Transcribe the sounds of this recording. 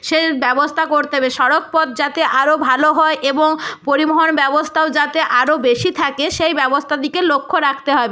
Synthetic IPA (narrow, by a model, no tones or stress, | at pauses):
ʃebɛbost̪ʰakoɾt̪ebeʃɔɾok̚pɔd̪̚d͡ʑat̪eʔaɾobʱaloɦɔeʔeboŋpoɾimoɦonbɛbost̪ʰaod͡ʑat̪eʔaɾobeʃit̪ʰakeʃejbɛbost̪ʰad̪ikelokʰːoɾakʰt̪eɦɔbe